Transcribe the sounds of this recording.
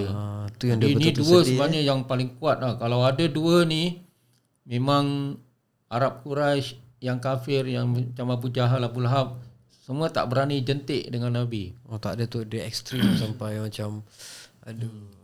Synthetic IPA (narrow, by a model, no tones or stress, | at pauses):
at̪ujaŋdəibəniduəsəaaɲajaŋpalɪŋkuat̪̚lahkalawadəduəni | mẽmaŋ | aɾap̚kuɾaʃ | jaŋkafɪrjaŋt͡ʃamabud͡ʒaɦalabulaɦap̚ | səmuət̪a̰ʔbəɾanid͡ʒənt̪ɪʔdəŋanːabiot̪a̰ʔdət̪udəɛkst̪ɾimsampajmat͡ʃamadə